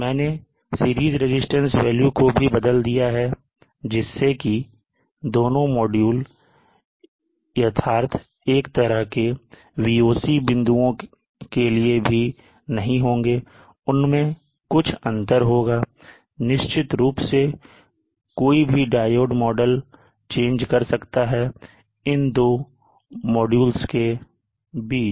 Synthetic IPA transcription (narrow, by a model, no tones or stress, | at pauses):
mɛ̃ːne | siːɾiːzɾɪd͡ʒɪsʈə̃nsʋɛːljukobʱibəd̪əld̪ijaɦɛ | d͡ʒɪsːeki | d̪oːnõmɔːɖjuːl | jɐt̪ʰaːɾt̪ʰ | eːkt̪əɾəɦke | ʋiːoːsibɪ̃nd̪uõ | keliebʱi | nɐɦĩɦõːŋɡeː | ʊnmẽ | kʊt͡ʃʰə̃nt̪əɾɦoːɡaː | nɪʃt͡ʃɪt̪ɾuːpse | koːibʱiɖaːjoːɖmɔːɖəl | t͡ʃẽːnd͡ʒkɐɾsɐkt̪aɦɛ | ɪnd̪oː | mɔːɖjuːlske | biːt͡ʃ